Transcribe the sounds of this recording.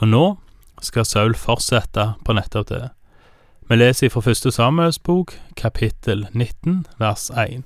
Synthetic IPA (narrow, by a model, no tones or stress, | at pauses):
ɔnoː | skɑsɑʉlfɔʁt̪sɛt̪ɑpʰoːnɛt̪ːɑʋt̪ʰḛː | meːleːsəiːfʁɔfœst̪əsɑːmʉəlsbuːkkʰɑpʰɪt̪ʰəlnɪt̪nʋæʁsæɪn